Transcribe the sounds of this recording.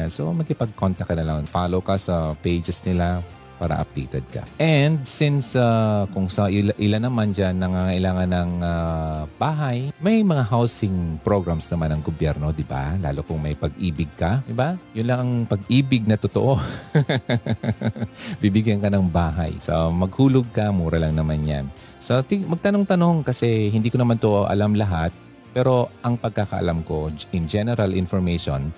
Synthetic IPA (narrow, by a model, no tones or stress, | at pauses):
anso̞̰mɐɡ̚kɪpɐɡ̚kont̪ɐkːɐnɐlaŋfaːlowkɐsɐpejd͡ʒɛsnɪla | paːɾɐ̰ʔɐ̰p̚t̪ḛːt̪ɛ̰d̪̚kɐ̰ʔɛnd̪̚sɪnsakʊŋsɐʔʔɪlanɐmand͡ʒanːɐŋaŋɐʔɪlaːŋɐnːɐŋab̥aːɦajmɐjmɐŋaɦawsɪŋpɹoɡɾamsnɐmanɐŋɡobjɛɾno̞d̪ɪba̰la̰ːlokʊŋmɐjpɐɡʔiːbɪɡ̚kɐd̪ɪbajʊnlɐŋɐŋpɐɡʔiːbɪɡ̚nɐt̪ot̪oʔo | bibɪɡjɐnkɐnɐŋbaːɦa̰jsɐ̰mɐɡ̚huːloɡ̚kɐmuːɾɐlɐŋnɐmanja̰n | sot̪ɪmɐɡ̚t̪ɐnoŋt̪ɐno̞ŋkɐsɛhɪnd̪iːkonɐmant̪oʔoʔɐ̰lamlɐɦat̪̚ | pɛːɾo̞ʔɐŋpɐɡ̚kakɐ̰ʔɐ̰lamko̞ʔɪŋd͡ʒɛnɛɾɐlɪnfoɹmejʃo̰n